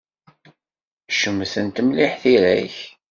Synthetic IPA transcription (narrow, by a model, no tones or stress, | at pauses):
ʃəmːθənt̪əmliħθiɾæ̰ç